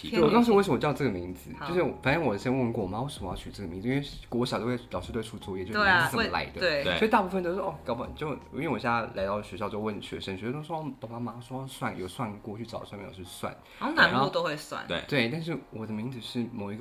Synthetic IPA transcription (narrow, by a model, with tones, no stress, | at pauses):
ɔ˨˩t̪ɑ˥ʂ̩ɻ̩˧˥we˥˩ʂə˧m˧˨˩jʈ͡ʂɤ˥˩ə˨mi˧˥ŋd͡zɹ̩˧˦t͡ɕjo˧ʊʂɻ̩˥˩˨fa˨˩nʈ͡ʂə˥nwɔ˨˩˥ɕɛ˥n˥wə˥˧nkwɔ˥˩˨ma˧˥wɔ˧˥ʂə˨˩mə˦jɑ˥˩t͡ɕʰy˨˩ʈ͡ʂɤ˥˩ɡə˩mi˧˥ŋd͡z̩ɨ˨˧˥wkwɔ˧˥ɕt̪o˥kʰlɑ˨˩ʂ̩ʰ˥˩u˥˧t͡swɔ˥˧jɛ˥˩t͡ɕo˥˩˧ə˩m˦la̰˧˥ɪd̪ə˧e˥˩sɔ˥i˧˥t̪a˥˧pu˥˩ə˧nt͡ɕo˥ʊʂ̩˥ʂɔ˥˩kɑ˥ʊpɑ̰˨˩t͡ɕjo˥˧ʊ˧˥nwɕla˧˥ɪt̪ɑ˥˩ʊɕɥɛ˧˥ɕjɑ˥˧ʊt͡ɕo˥˧wə˥˩nɕɥɛ̰˧˥ʂə˧˥ŋ˨˧˥o˥ɑ˥ppa˧˥ma˥swwswa˥˩njo˨˩ʊswa˥˧nkwɔ˥˧t͡ɕʰy˥˩ʈ͡ʂɑ˨˩ʊswa˥˧mpḭ̃˥˧˩t͡ɕʰy˥˧˩swa̰˥˩n˥ | a˨˩˧xo˥˧t̪o˥xwe˥˧ɪswa̰˥˩nḛ˥˩t̪we˥˩ɪt̪a˥˧nʂ̬ɻ̩˥˩wɔ˨˩d̪ə˦mi˧˥ŋd͡zɹ̩˧ʂɻ̩˥˩mo˨˩ʊi˧˥ɡ